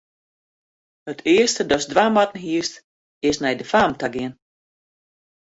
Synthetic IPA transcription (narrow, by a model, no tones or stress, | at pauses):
hətʰɪəstədɔsdʋamatn̩ɦiəst | ɪsnɛjdəfaːmtaɡɪən